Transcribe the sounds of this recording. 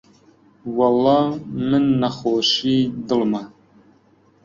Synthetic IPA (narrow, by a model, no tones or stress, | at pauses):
wɐlːɑːmɨnːɐxoːʃiːd̪ɨlmɐ